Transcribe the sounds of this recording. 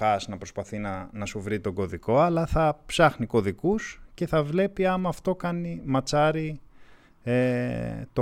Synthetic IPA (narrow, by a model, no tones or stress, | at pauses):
ɐsnɐpɾo̞spɐθinɐnɐsuvɾit̪o̞ɡo̞ðiko̞ɐlɐθɐpsɐxniko̞ðikusce̞θɐvle̞piɐmɐft̪o̞kɐnimɐt͡sɐɾi | et̪o̞